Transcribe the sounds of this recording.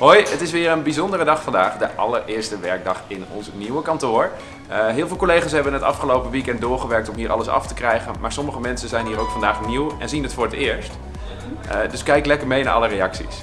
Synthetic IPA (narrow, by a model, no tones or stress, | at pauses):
ɦojətɪsʋɪːɹənbizɔndərədɑχfɑndaːχdəʔɑ̰ləɹɪːɹstəʋɛɹɡ̚dɑχɪnɔ̰nsniwəkɑntʊːɹ | ɦɪːlˠvɪlˠkolejχaːsɦɛbənətɑ̰fχəlowpəʋikɛnt̚dʊːɹχəʋɛɹk̚tɔmɦiːɹʔɑ̰ləsɑ̰ftəkrɛjχənmaːɹsɔməχəmɛnsənzɛjnɦiːɾowkfɑndaːχniwɛ̰nzinətfʊːɹətɪːɹst | dɵskɛjklɛkəɹmejna̰ːɹʔɑ̰lərejɑksḭs